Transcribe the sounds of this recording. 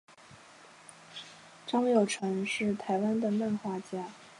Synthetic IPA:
ʈ͡ʂɑ˥ŋjo˨˩ʊʈ͡ʂʰɤ˧˥ŋʂɻ̩˥˩t̪ʰa˧˥ɪwa˥nd̪ə˨mə˥˧nxwa˥˧t͡ɕja˥˩

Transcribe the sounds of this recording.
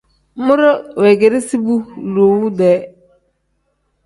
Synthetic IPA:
mʊ˦ɾʊ˦wɛ˨ɡe˨ɾɪ˦si˦bu˦lu˨wu˦dɛ˨˦

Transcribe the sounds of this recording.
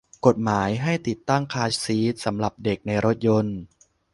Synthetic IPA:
ko˨˩t̪̚maː˩˦jɦa˥˩jt̪i˨˩t̪ːa˥˩ŋkʰaː˦˥t͡ɕsiː˦˥t̪̚sa˩˦mɾa˨˩p̚de˨˩k̚na˧jɾo˦˥t̪̚jo˧n

